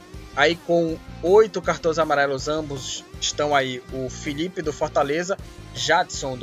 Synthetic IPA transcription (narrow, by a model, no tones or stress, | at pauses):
aikõw̃ojt̪ʊkaɾt̪õzamaɾɛlʊzɐ̃bʊzɪʃt̪ɐ̃w̃aiʊfilipɪd̪ʊfɔɾt̪alezɐʒad̪sõd̪